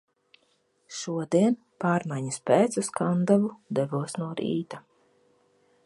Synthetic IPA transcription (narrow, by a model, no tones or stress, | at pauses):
ʃuɔd̪iɛn | paːɾmajɲaspʲɛːt̪suskand̪avud̪ɛvuɔsnuɔɾḭːt̪a